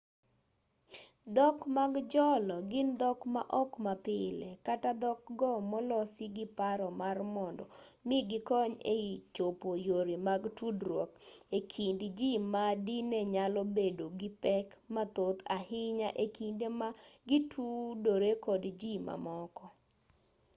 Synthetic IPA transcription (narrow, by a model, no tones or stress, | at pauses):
d̪ɔkmaɡd͡ʒɔlɔɡɪnd̪ɔkma̰ʔɔkmapɪlekatad̪ɔk̚ɡɔmɔlɔsiɡɪpaɾɔmarmɔndɔmɪɡɪkɔɲḛit͡ʃopojoɾimaɡtudɾwɔkekʰindd͡ʒimadinɛɲalɔbedoɡɪpɛkmat̪ot̪ahɪɲaʔekindemaɡitʰudoɾekɔdd͡ʒima̰mɔkɔ